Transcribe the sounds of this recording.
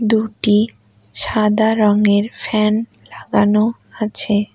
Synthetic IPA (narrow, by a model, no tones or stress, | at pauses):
d̪uʈi | ʃad̪aɾɔŋeɾfɛnlaɡano | at͡ɕʰe